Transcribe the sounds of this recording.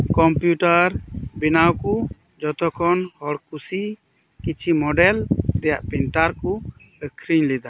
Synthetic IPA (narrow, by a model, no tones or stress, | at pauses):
kɔmpjuʈaɾbinawku | d͡ʒɔt̪ɔkʰɔnhɔɽkusi | kit͡ʃʰimɔɖɛld̪ɛjaʔpɛnʈaɾku | əkʰɾiɲlɛd̪a